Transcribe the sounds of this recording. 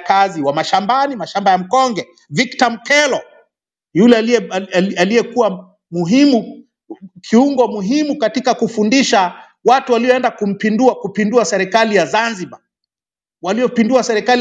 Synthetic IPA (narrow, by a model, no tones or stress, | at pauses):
kaziwamaʃambanimaʃambajam̩kɔŋɡɛ | viktam̩kɛlɔ | julɛ | alijɛkuwa | muɦimu | kʰiuŋɡɔmuɦimukatikakufundiʃa | watuwaliɔɛndakum̩pinduakupinduasɛɾɛkalijazanziba | waliɔpinduasɛɾɛkali